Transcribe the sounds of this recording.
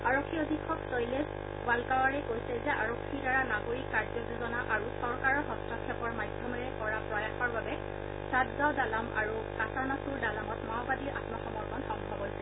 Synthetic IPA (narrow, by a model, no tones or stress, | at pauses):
aɹokʰːiodʱikʰɔksojles | ɡwalkawaɹɛkojsɛzɛa̰ɹokʰːiɹdaɹanaɡoɹikːaɹzɔzuzɔnaʔaɹusɔɹkaɹɔɦɔstɔkʰɛpɔɹmajdʱjɔmɛɹɛkɔɹapɹɔjaxɔɹbabɛ | sazadalama̰ɹu | kasanɔsuɹdalamɔtmawbadiɹʔa̰tmɔxɔmɔɹkɔnxɔŋbʱɔbojsɛ